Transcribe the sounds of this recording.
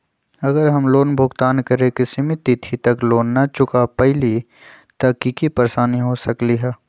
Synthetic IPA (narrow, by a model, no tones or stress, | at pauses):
ɐɡəɾɦɐmloːnbʱʊɡt̪aːnkɐɾekɪsimɪt̪it̪ʰit̪ɐkloːnːat͡ʃʊkapɛɦɪli | t̪ɐkikipəɾsaːniɦosɐkliɦɛː